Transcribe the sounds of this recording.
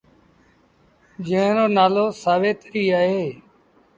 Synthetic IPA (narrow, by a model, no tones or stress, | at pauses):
d͡ʒə̃ɦnoːnaːloːsaːʋeːt̪ɾiːaːɦeː